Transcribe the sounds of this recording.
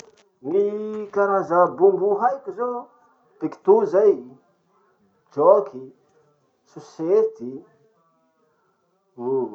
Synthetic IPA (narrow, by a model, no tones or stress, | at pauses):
nikaɾazabumbuɦajkizo | piki̥t̪uzaj | d͡ʒɔkʰi | suset̪i | lu